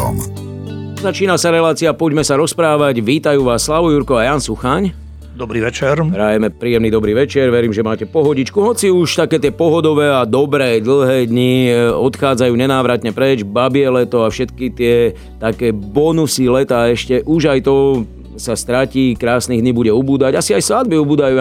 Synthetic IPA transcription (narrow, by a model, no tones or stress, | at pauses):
m | zat͡ʃiːnasaɾɛlaːt͡siapɔɟmɛsaɾɔspɾaːʋaɟʋiːt̪ajuːʋaːsːlaʋujuɾkɔajaːnsuxaɲ | d̪ɔbɾiːʋɛt͡ʃɛɾpɾajɛmɛpɾiːɛmnid̪ɔbɾiːʋɛt͡ʃɛɾʋɛɾiːmʒɛmaːcɛpɔɦɔɟit͡ʃkuɦɔt͡siuʃt̪akɛːt̪ɪɛpɔɦɔd̪ɔʋɛːad̪ɔbɾɛːd̪l̩ˠɦɛːd̪ɲiɔt̪xaːd͡zajuːɲɛnaːʋɾat̪ɲɛpɾɛd͡ʒbabiɛlɛt̪ɔafʃɛt̪kit̪ɪɛ | t̪akɛːbɔnusilɛt̪aːɛʃcɛʔuʒajt̪ɔ | sast̪ɾaciːkɾaːsniɣd̪ɲibuɟɛubuːd̪aɟasiajslad̪̚biubuːd̪ajuː